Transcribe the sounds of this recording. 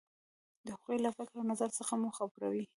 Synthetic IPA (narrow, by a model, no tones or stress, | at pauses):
d̪əhaɣojlafɪkɾawnazaɾsəxamuxabuɾa̰wi